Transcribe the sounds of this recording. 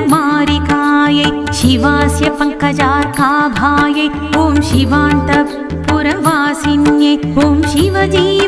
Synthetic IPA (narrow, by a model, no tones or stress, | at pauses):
maːɾikaːjɐj | ʃiʋaːsjɐpɐŋkɐd͡ʒaːt̪kaːbʱaːjɐj | boːmʃiʋaːnt̪ɐ | puɾɐʋaːsinjɐjboːmʃiʋɐd͡ʒiː